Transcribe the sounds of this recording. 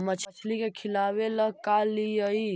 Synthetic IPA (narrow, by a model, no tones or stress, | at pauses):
mət͡ʃʰət͡ʃʰlikekʰilaweləkaliəi